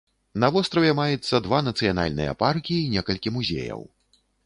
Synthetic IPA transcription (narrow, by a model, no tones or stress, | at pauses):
nɐvɔst̪ɾɐvʲɛmajɛt̪sːɐd̪vanɐt̪sɨjana̰lʲnɨ̰jɐ̰parkʲiːnʲɛkɐlʲkʲimuzʲḛjɐ̰w